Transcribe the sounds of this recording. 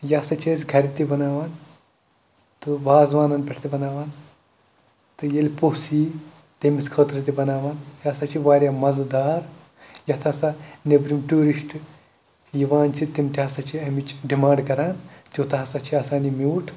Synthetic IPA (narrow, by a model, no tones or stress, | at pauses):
jaːsɐt͡ʃʰesʲɡʱɐɾit̪ibɐnaːʋaːn | t̪uʋaːzʋaːnɐnpʲɐʈʰt̪ibɐnaːʋaːn | t̪ɨjelʲposiː | t̪emiskʰəːt̪ɾɐt̪ibɐnaːʋaːnjaːsɐt͡ʃʰiʋaːɾjaːmɐzd̪aːɾ | jɐt̪ʰaːsɐnebɾimʈuːɾiʃʈ | jiʋaːnt͡ʃʰit̪imʲt̪ʰʲiasɐt͡ʃʰiɐmit͡ʃɖimãːɳɖkɐɾaːnt̪ʲjot̪ɐɐsɐt͡ʃʰiaːsaːnimʲuːʈʰ